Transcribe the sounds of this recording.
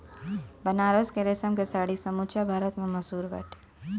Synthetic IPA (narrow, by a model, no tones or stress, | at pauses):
bənaɾəskeɾesəmkesaɽisəmut͡ʃabʱaɾət̪mẽməsuːɾʋə̰ʈ